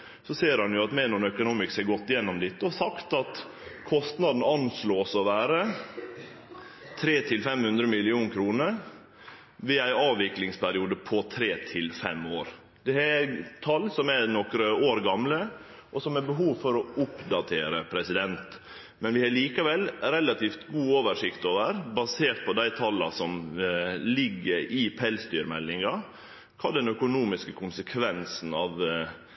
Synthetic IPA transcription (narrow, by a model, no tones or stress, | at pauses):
sɔseːɾhɑnjʊɑt̪mɛnɔnœkʊnuːmɪkseːɾɡɔt̪ːɪjɛnːɔmd̪ɪt̪ːəɔsɑkt̪ɑt̪ | kʰɔst̪nɑd̪n̩ɑnsloːsɔʋæːɾə | t̪ʰɾeːt̪ʰɪlfɛmhʉnd̪ɾəmɪlɪuːnkʰɾuːnəɾ | ʋɪæɪɑːʋʋɪklɪŋspʰæɾɪuːd̪əpʰɔt̪ʰɾeːt̪ʰɪlfɛ̰moːɾ | d̪̥ɛæt̪ʰɑlːsɔmænɔkɾəoːɾɡɑmlə | ʔɔsɔmæɾbəɦuːʋfɔɾɔʊpd̪ɑt̪ʰeːɾəpʰɾɛsɪd̪ɛnt̪ | mɛnʋɪhɑɭiːkəʋɛlɾɛlɑt̪iːft̪ɡuːoːʋəʂɪkt̪oːʋəɾbɑseːʈ̪̚pʰɔd̪æɪt̪ʰɑlːɑ̰sɔm | lɪɡːəɾɪpʰɛlst̪yːɾmɛlːɪŋɑ | kʰɑːd̪ɛnœkʊnuːmɪskəkʰʊnsəkʰʋɛnsn̩ɑːʋ